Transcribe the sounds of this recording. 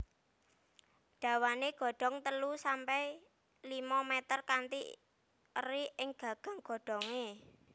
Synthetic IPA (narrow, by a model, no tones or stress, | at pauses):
ɖ̥ä̤waneɡ̥ɔ̤ɖ̥ɔ̤ŋt̪əlusampɛj | limɔmɛt̪ərkant̪ḭ | əriɪŋɡ̥ä̤ɡ̥a̤ŋɡ̥ɔ̤ɖ̥ɔ̤ŋe